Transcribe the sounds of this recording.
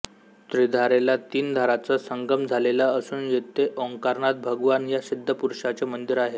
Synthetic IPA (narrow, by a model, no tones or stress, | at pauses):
t̪ɾid̪ʱaɾelat̪iːnd̪ʱaɾat͡sasəŋɡəmd͡zʱalelaəsuːnjet̪eʔɔŋkaɾɳat̪̚bʱəɡʋanjasid̪ʱːəpuɾʂat͡semənd̪iɾaɦe